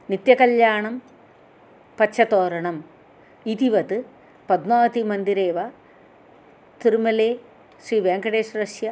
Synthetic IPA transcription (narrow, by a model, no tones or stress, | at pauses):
nit̪jɐkɐljaːɳɐm | pɐɕʰɐt̪oːɾɐɳɐm | it̪iʋɐt̪ɨ | pɐd̪naːt̪imɐnd̪iɾeːʋɐ | t̪iɾumɐleː | ɕriːʋeːŋɡɐɽeːʂɾɐʂjɐ